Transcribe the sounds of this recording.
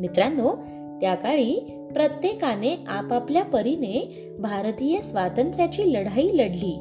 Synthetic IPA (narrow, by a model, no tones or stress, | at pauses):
mit̪ɾanːo | t̪jakaɭiː | pɾət̪jekaneapapljapəɾine | bʱaɾt̪ijəsʋat̪ənt̪ɾjat͡ɕiːləɽaiːləɽliː